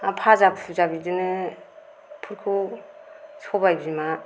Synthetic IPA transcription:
apʰazabsʰuzabidɯnɯ | pʰuɾkʰu | sɔbajbima

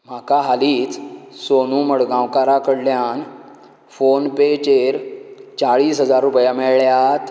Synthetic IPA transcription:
m̤akaɦaliːt͡ssonuːməɽɡãwkaɾakəɽljan | fonpet͡ɕeɾt͡saɭiːsɦəd͡zaɾːupjamɛɭɭjat̪

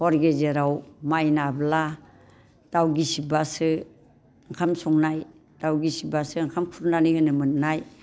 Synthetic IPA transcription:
hɔɾɡezeɾawmajnabla | d̥awɡisibasɯ | ŋkʰamsɔŋnaj | dawɡisibasɯŋkʰamkʰuɾnanihɯnɯmɯnnaj

